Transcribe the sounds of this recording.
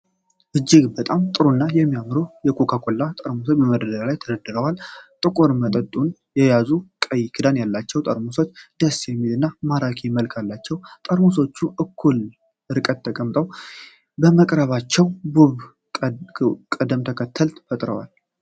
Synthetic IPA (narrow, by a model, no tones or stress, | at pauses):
ʔɨd͡ʒːɪɡbət̪ʼamt̪ʼɨɾunːajɛmːijamɾojɛkʰokʰakʰʷʼolːat̪ʼəɾmusobəməd̪əd̪əɾalajt̪ʰəd̪əd̪ːɨɾəwalt̪ʼɨkʼoɾmət̪ʼət̪ʼun | jɛjazukʼəjkʰɨd̪anjalːat͡ʃːɛwt̪ʼəɾmuso̞t͡ʃːd̪̥əsjɛmːid̪ɨnːamaɾakʰeməlkʰalːat͡ʃːɛwt̪ʼəɾmuso̞t͡ʃːuʔɨkʰːul | ɨɾɨkʼət̪ʰːəkʼəmt̪ʼəw | bəməkʼɾəβat͡ʃːɛwbuβ | kʼəd̪əmt̪ʰəkʰət̪ʰːəlt̪fət̪ʼɾəwa̰l